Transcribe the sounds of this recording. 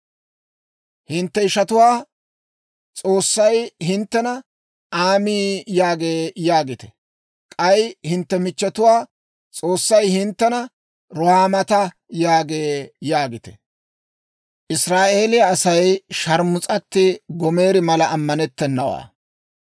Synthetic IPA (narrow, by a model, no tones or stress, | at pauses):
hɪnt̪ːɛɪʃɐt̪ʊwaː | t͡sʼo̞ːsːɐjhɪnt̪ːɛnɐ | ʔaːmiːjaːɡe̞ːjaːɡɪt̪ɛ̥ | kʼɐjhɪnt̪ːɛmɪt͡ʃːɛt̪ʊwaː | t͡sʼo̞ːsːɐjhɪnt̪ːɛnɐ | ɾɔhaːmɐt̪ɐ | jaːɡe̞ːjaːɡɪt̪ɛ̥̰ | ʔɪsɾaːʔe̞ːlɪjɐːsɐjʃɐɾmʊt͡sʼɐt̪ːɪɡɔme̞ːɾɪmɐlɐːmːɐnɛt̪ːɛnːɐwa̰ː